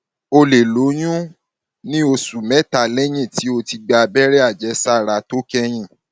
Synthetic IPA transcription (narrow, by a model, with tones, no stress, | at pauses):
o˧le˨lo˨˦j̃ũ˦ | nĩ˦o˧su˨mɛ˨˦ta˧˨lɛ˦j̃ĩ˦˨ti˨˦o˧ti˧ɡ͡ba˧bɛ˦ɾɛ˦a˦˨d͡ʒɛ˨˦sa˦˨ɾa˧to˦kɛ˦j̃ĩ˦˨